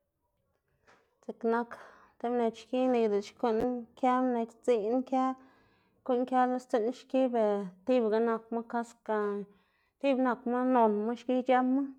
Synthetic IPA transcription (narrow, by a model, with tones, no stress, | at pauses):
t͡se˨kna˧k | t̪e˦mne˧t͡ʃki˦ni˧d̪e˨t͡ʃko˦nkʲja˦mne˧kʲt͡si˧˦n˦ŋkja˦ | ko˦nkʲja˦la˦st͡s̪e˦˧nʃki˦be˨t̪i˦bɡa˧na˧kma˦ka˦ska˧ | t̪i˦bna˧kma˦no˨nma˦ʃki˦d͡ʒa˦ma˦